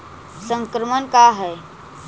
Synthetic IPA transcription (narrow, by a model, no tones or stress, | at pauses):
sə̃ŋkɾəmənkaɦɛ